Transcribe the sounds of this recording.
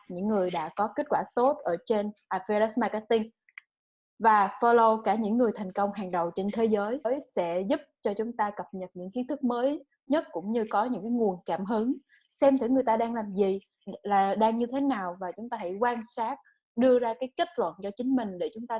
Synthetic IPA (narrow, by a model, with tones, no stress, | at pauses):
ɲɨ̰˧˥ŋːɨ˨˩əjɗa̰ː˧˥kɔ˨˦ke˦˥t̚kwaː˧˩t̪o˦˥t̚ʔəː˧˩t͡ɕe˧nʔaː˨˧˩fe˧la˦˥sma˧ka˨˦˥t̪i˧ŋ | vaː˨˩fɔ˧lo˧kaː˧˩ɲɨ̰˧˥ŋːɨ˨˩əjt̪ʰa˨˩jŋ̟kə˧wŋ͡mhaː˨˩ŋɗə˨˩wt͡ɕe˧nt̪ʰe˨˦zəː˨˦jjsɛ̰˧˥zʊ˦˥p̚t͡ɕɔ˧t͡ɕʊ˨˦ŋ͡mt̪aː˧kə˨˩p̚ɲə˨˩t̚ɲɨ̰˧˥ŋxi˨˦ənt̪ʰɨ˦˥k̚məː˨˦j | ɲə˦˥t̚kʊ̰˧˥ŋ͡mɲɨ˧kɔ˨˦ɲɨ̰˧˥ŋkaː˨˦jŋu˨˩ənkaː˧˩mɦɨ˨˦ŋ | sɛ˧mt̪ʰi˧˦ŋɨ˨˩əjt̪aː˧ɗaː˧ŋlaː˨˩mzi˨˩ | laː˨˩ɗaː˧ŋɲɨ˧t̪ʰe˨˦naː˨˩wvaː˨˩t͡ɕʊ˨˦ŋ͡mt̪aː˧ha̰˧˩jkwaː˧nsaː˦˥t̚ | ɗɨ˧əzaː˧kaː˨˦jke˦˥t̚lwə̰˧˨nt͡ɕɔ˧t͡ɕï˨˦ŋ̟mï˨˩ŋ̟ɗe˧˩t͡ɕʊ˨˦ŋ͡mt̪aː˧